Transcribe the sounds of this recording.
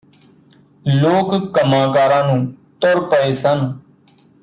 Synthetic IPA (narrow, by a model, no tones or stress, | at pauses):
loːkkəmãːkaːɾãːnũːt̪oɾpəeːsən